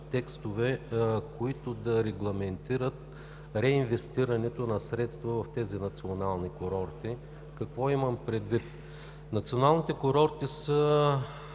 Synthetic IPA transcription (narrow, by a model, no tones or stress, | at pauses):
t̪ɛkst̪ovɛkoit̪ʊd̪ɐɾɛɡlˠɐmɛnt̪iɾət̪ | ɾɛinvɛst̪iɾɐnɛt̪onɐsɾɛt̪st̪vɐvɐft̪ɛzinɐt̪sionalˠnikoɾɔɾt̪i | kɐkvɔimɐmpɾɛd̪vit̪ | nɐt̪sionalˠnit̪ɛkoɾɔɾt̪isə